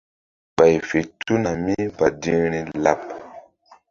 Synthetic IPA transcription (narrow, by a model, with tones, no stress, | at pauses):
ɓ̥a˨jfe˨tu˦na˨mi˦ba˨di˦ŋɾi˦la˦˨p̚